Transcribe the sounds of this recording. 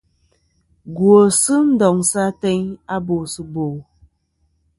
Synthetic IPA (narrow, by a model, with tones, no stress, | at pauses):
ɡwo˨sɨ˦n̩˦dɔ˨ŋsa˦tɛ˦ɲa˦bo˨sɨ˨bo˨